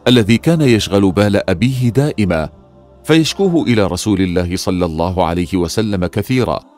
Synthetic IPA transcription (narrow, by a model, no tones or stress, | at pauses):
ʔalːaðiːkaːnajaʃɣalʊbaːlaʔabiːɦɪd̪aːʔɪmaː | fajaʃkuːɦʊʔɪlaːɾˤɑsuːlɪlːaːhɪsˤɑlːɑlˤːɑːɦʊʕa̰lajhɪwasalːamakaθiːɾˤɑ̰ː